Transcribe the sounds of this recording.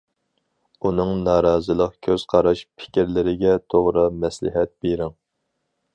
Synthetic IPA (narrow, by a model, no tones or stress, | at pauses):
unɨŋnɑːɾɑːzɨlˠəq̚kʲʰøz̥qʰɑɾɑʃpʰɪ̥kʲɪɾlɪɾɪɡʲɛt̪ʰoʁɾɨmɛslɪ̰ɦɛt̪̚beɾɪŋ